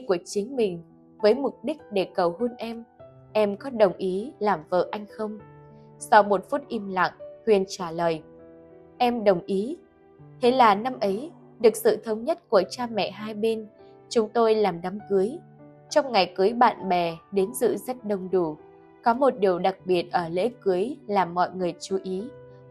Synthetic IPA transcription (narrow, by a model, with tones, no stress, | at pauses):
ku˧˩ət͡ɕï˨˦ŋ̟mï˨˩ŋ̟ | vəː˨˦jmʊ˨˩k͡p̚ɗï˦˥k̟̚ɗe˧˩kə˨˩whu˧nʔɛ˧m | ʔɛ˧mkɔ˨˦ɗə˨˩wŋ͡mʔi˨˦laː˨˩mvə̰ː˧˨ʔa˧jŋ̟xə˧wŋ͡m | sɔ˧wmo˨˩t̚fu˦˥t̚ʔi˧mla̰˧˨ŋt̪wḭ˨ənt͡ɕaː˧˩ləː˨˩j | ʔɛ˧mɗə˨˩wŋ͡mʔi˨˦ | t̪ʰe˨˦laː˨˩na˧mʔə˨˦j | ɗɨ˨˩ək̚sɨ̰˧˨t̪ʰə˨˧˦wŋ͡mɲə˦˥t̚ku˧˩ət͡ɕaː˧mɛ̰˧˨ɦaː˧jɓe˧n | t͡ɕʊ˨˦ŋ͡mt̪o˧jlaː˨˩mɗa˨˦mkɨ˨˦əj | t͡ɕɔ˧wŋ͡mŋa˨˩jkɨ˨˦jɓa̰ː˧˨nɓɛ˨˩ɗe˨˦nzɨ̰˧˨zə˦˥t̚ɗə˨˩wŋ͡mɗu˧˩ | kɔ˨˦mo˨˩t̚ɗi˨˩əwɗa˨˩k̚ɓi˨˩ət̚ʔəː˧˩lḛ˧˥kɨ˨˦əjlaː˨˩mmːɔ̰˧˨jŋɨ˨˩əjt͡ɕu˨˦ʔi˨˦